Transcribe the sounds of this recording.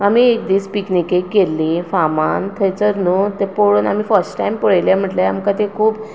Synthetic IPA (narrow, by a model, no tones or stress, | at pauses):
am̤iek̚d̪iːspiknikekːelːifamant̪ʰəjt͡səɾnut̪epoɽuːna̰m̤iːfəɾsʈʈajmpəɭajljam̤əʈleamkãt̪ekʰuːp